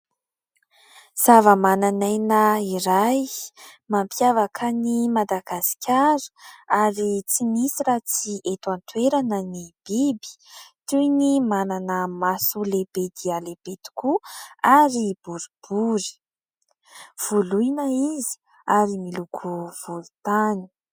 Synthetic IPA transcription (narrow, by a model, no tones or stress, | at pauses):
z̥avəmananajnaiɾajmampʰjavakʰənimad̪aɡasi̥kʲaɾə̥aɾit͡simisiɾat͡siʔet̪want̪weɾanənib̥ibi̥t̪unimananəmasulebed̪ialeb̥et̪u̥kuaɾib̥uɾib̥uɾi̥ | v̥ulujnəizi̥ | aɾimilukʰuv̥ulut̪ani̥